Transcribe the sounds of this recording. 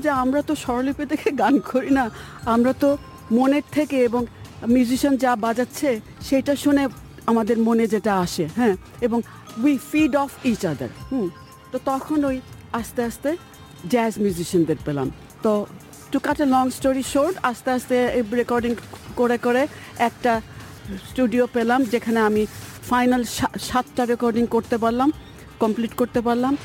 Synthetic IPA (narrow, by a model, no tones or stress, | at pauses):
d͡ʑeamɾat̪oʃɔɾoliped̪ekʰeɡankʰoɾina | amɾat̪o | moneɾt̪ʰekeeboŋmjuziʃond͡ʑabad͡ʑatːɕʰe | ʃejʈaʃune | amad̪eɾmoned͡ʑeʈaaʃeɦɛ̃ | eboŋ | wifiɖɔfit͡ɕad̪ə̰ɾh̩ | t̪ot̪ɔkʰonojaʃt̪eaʃt̪e | ɡɛzmjuziʃand̪eɾpela̰m | t̪o | ʈukaʈelɔŋsʈoɾiʃoɾʈaʃt̪east̪eɾekɔɾɖiŋkoɾekoɾeɛk̚ʈa | sʈuɖiopelamd͡ʑekʰaneamifajnalʃʃat̪ʈaɾekɔɾɖiŋkoɾt̪epaɾlam | kɔmpliʈkoɾt̪epaɾlam